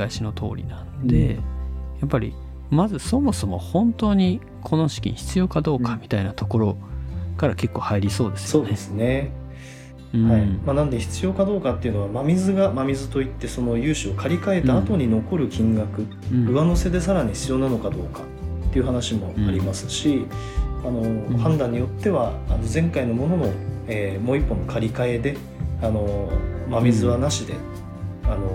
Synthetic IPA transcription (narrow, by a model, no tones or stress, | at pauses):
aiɕino̞t̪ʰo̞̰ːɾʲḭnãnod̪e̞̰japːaɾʲḭ | mazɨso̞mo̞so̞mo̞hõ̞nt̪o̞ːɲ̟i | kʰo̞no̞ɕi̥kʲḭɲçi̥t͡sɨjo̞ːkad̪o̞ːkamʲit̪ainat̪o̞ko̞ɾo̞kaɾake̞kːo̞ːhaiɾʲiso̞ːd̪e̞sɨ̥so̞ːd̪esɨne̞ | ɯ̃haimanãnd̪e̞çi̥t͡sɨjo̞ːkad̪o̞ːkat̪ːe̞iɯ̟no̞βamamʲizɨɡamamʲizɨt̪o̞it̪ːe̞so̞no̞jɯːɕio̞kaɾʲikae̞t̪aːt̪o̞ɲ̟ino̞ko̞ɾɯ̟kʲĩŋɡakɯ̟ | ɯ̟βano̞se̞d̪e̞saɾaɲ̟içi̥t͡sɨjo̞ːnanokad̪o̞ːkḁ | t̪ːe̞iɯ̟ɦanaɕimo̞aɾʲimasɨ̥ɕi | ano̞hãnd̪ãɲ̟ːijo̞t̪ːe̞βaːno̞zẽ̞ŋkaino̞mo̞no̞mo̞eːmo̞ːipːo̞nokʰaɾʲikae̞d̪e̞ | ano̞mamʲizɨβanaɕid̪e̞̰ | ano̞